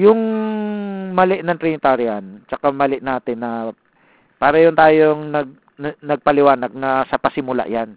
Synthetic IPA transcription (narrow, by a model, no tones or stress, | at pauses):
jʊŋ | mɐlɛʔnɐŋt̪ɾɪnɪt̪aɾɪant͡ʃɐkamɐlɪʔnaːt̪ɪnːɐ | paːɾɐjʊnt̪aːjoŋnɐɡ̚ | nɐɡ̚pɐlɪwaːnɐɡ̚nɐsɐpɐsɪmʊla̰ʔjan